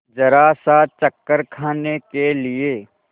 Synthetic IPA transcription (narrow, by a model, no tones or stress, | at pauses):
d͡ʒɐɾaːsat͡ʃəkːəɾkʰaːnekelieː